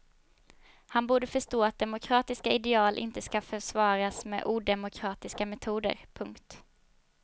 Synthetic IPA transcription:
hanbuːɖəfœʂtoːat̪̚d̪ɛmʊkʰɾɑːt̪ɪskaɪd̪ɛɑːlʔɪ̰nt̪əskafœʂvɑːɾasmɛ̰ːʔuːd̪ɛmʊkʰɾɑːt̪ɪskamɛt̪ʰuːd̪ə̰ɾpʰɵŋkt̪

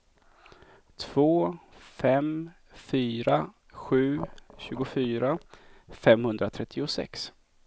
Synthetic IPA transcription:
t̪ʰv̥oːfɛm | fyːɾa | ɧʉ̟ːɕʉ̟ːɡʊfyːɾafɛmhɵnd̪ɾat̪ʰɾɛt̪ʰːɪʊsɛ̰ks

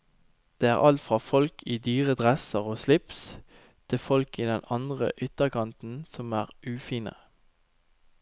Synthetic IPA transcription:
d̪̥eːæ̰ːʁʔɑlt̪fʁɑːfɔlkʰiːd̪yːʁəd̪ʁɛsəʁoːslɪps | t̪ʰɪfɔlkiːd̪ɛnɑnd̪ʁə̰ʔʏt̪əkɑnt̪n̩sɔmæːʁʔʉːfiːnə̰

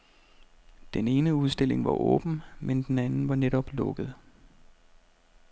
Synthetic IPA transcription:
d̥ene̝ːnəuð̞ˠsd̥e̝le̝ŋʋɑ̈ʔɔ̰̽ːb̥n̩mend̥enænn̩ʋɑ̈neɾɒ̽b̥lɔ̽ɡ̥əð̞̩ˠ

